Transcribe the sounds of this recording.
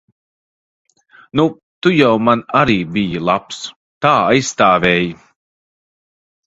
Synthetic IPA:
nu | t̪ujawmanaɾiːbijilˠaps | t̪aːajsːt̪aːvʲɛːji

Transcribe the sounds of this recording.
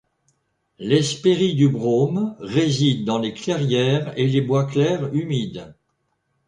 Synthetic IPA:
lɛspeʁid̪ybʁomʁezid̪ːɑ̃leklɛʁjɛʁelebwaklɛʁymid̪

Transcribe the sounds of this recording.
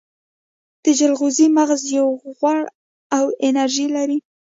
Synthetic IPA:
d̪̥əd͡ʒalɣuzimaɣzjawɣwaɽ | awɪnaɾʒilaɾi

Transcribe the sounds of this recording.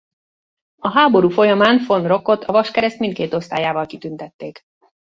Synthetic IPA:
ɒɦaːbo̞ɾuːfo̞jɒmaːnfo̞nro̞ko̞t̪ʰɒvɒʃkɛɾɛst̪mint̪̚keːt̪o̞st̪aːjaːvɒlkit̪ynt̪ɛt̪ːeːk

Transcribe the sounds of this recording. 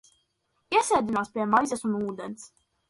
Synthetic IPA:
iɛsɛːd̪inaːspʲiɛmajzʲɛsunuːd̪ens

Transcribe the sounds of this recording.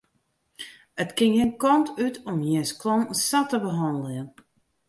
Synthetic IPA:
ətkɪŋhɪnkɔntʰytʰɔmjinsklɔŋsatəbəɦɔndlɪən

